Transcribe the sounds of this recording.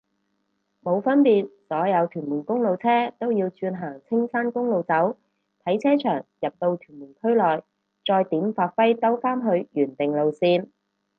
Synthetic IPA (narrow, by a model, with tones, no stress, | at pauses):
mo˨˧wfɐ˥npiː˨t̚sɔː˨˥jɐ˨˧wt̪ʰyː˨˩nmuː˨˩nkʊ˥ŋlo˨˧wt͡sʰɛː˥t̪o˥wjiː˧wt͡ʃyː˧nɦaː˨˩ŋt͡sʰɪ˥ŋsaː˥nkʊ˥ŋlo˨wt͡sɐ˨˥w | t̪ʰɐ˨˥jt͡sʰɛː˥t͡ʃʰœː˨˩ŋjɐ˨p̚t̪o˧wt̪ʰyː˨˩nmuː˨˩nkʰɵ˥ɥlɔː˨j | t͡sɔː˧jt̪iː˨˥mfaː˨˧t̚fɐ˥jt̪ɐ˥wfaː˥nɦɵ˧ɥjyː˨˩nt̪ɪ˨˩ŋlo˨wsiː˧n